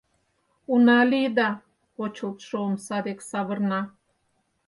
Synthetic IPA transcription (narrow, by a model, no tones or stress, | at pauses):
unalid̪a | kot͡ʃʰup̪ʂomsad̪eksaβəɾna